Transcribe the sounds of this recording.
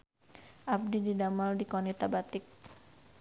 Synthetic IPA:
ʔab̚dididamaldikɔnit̪abat̪ɪk̚

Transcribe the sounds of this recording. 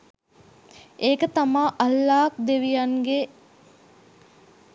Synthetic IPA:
eːkət̪amaːʔalːaːk̚d̪eʋijaŋɡe

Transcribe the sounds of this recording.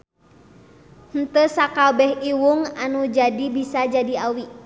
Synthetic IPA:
hn̩t̪əsakabɛhiwuŋanud͡ʒadibisad͡ʒadiawi

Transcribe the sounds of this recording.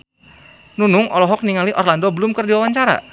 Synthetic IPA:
nunʊŋɔlɔɦɔk̚niŋaliʔɔrlandɔbəlʊmkɨrdiwawaɲt͡ʃaɾa̰

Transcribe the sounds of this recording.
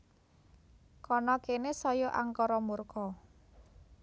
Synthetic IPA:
kɔnɔkenesɔjɔʔa̰ŋkɔɾɔmurkɔ

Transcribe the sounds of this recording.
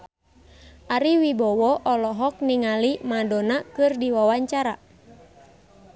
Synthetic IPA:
ʔaɾiwibɔwɔʔɔlɔɦɔk̚niŋalimadɔnakɨrdiwawaɲt͡ʃaɾa

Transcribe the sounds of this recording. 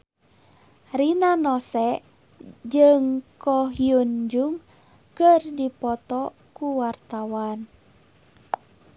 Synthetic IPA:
rinanɔsɛʔ | d͡ʒɨŋkɔɦiund͡ʒuŋ | kɨrdipɔt̪ɔ | kuwart̪awan

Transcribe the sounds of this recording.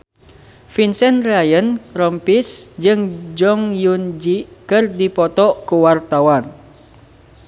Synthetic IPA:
finsɛnrajənɾɔmpisd͡ʒɨŋd͡ʒɔŋjund͡ʒikɨrdipɔt̪ɔʔkuwart̪awan

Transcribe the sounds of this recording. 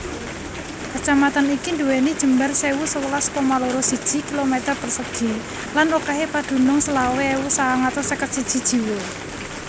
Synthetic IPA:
kət͡ʃamat̪anikind̪uwenid̥ʒ̥ə̤mbarsewusəwəlaskɔmaloɾɔsid̥ʒ̥i̤kilomet̪ərpərsəɡ̥i̤ | lanokaɦepad̪̥ṳnɔŋsəlaweewusaaŋat̪ɔsəkət̪̚sid̥ʒ̥i̤d̥ʒ̥i̤we

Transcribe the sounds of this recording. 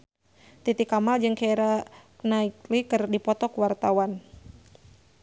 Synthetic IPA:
t̪it̪ikamald͡ʒɨŋkaɛɾanaik̚likərdipɔt̪ɔkuwart̪awan

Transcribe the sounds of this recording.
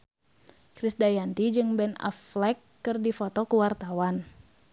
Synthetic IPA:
kɾisdajant̪id͡ʒɨŋbɛna̰flɛkːɨrdifɔt̪ɔkuwart̪awan

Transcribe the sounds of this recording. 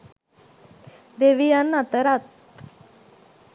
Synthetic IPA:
d̪eʋijanːat̪əɾat̪̚

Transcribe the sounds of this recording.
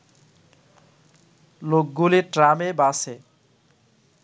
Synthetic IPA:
lok̚ɡuleʈɾamebase

